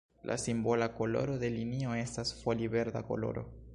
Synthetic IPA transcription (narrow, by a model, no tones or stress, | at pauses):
lʔa̰simbo̞lako̞lo̞̰ɾo̞d̪e̞linio̞e̞stasfolive̞ɾd̪a̰ko̞̰lo̞̰ɾʔo̰